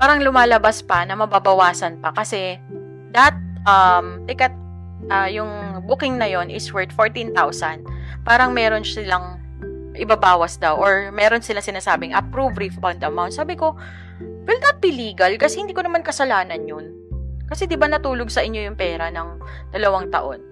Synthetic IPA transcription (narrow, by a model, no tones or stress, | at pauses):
paːɾɐŋlʊmaːlɐbaspɐnɐmɐbabɐwaːsɐnpɐkɐsɛ | d̪ɐhɐt̪̚ʔɐmlɛkɐt̪̚ | ʔɐjʊŋbukɪŋnɐjo̞nʔɪswɛɹt̪foɹt̪int̪awsɐnd̪ | paːɾɐŋmɛːɾo̞nɪlɐŋ | ʔɪbɐbaːwɐsd̪awʔoɹmɛːɾonsɪlaŋsɪnaːsaːbɪŋʔɐpɾuvɾifawnd̪ɐmawt̪saːbɪko̞ | wɪld̪ɐt̪̚biliːɡɐlkɐsɛhɪnd̪iːkonɐmankɐsɐlaːnɐnjʊn | kɐsɛd̪ɪbanɐt̪uːloɡ̚sɐʔɪɲjo̞jʊŋpɛːɾɐnɐŋd̪̥ɐlɐwaŋt̪ɐ̰ʔo̞n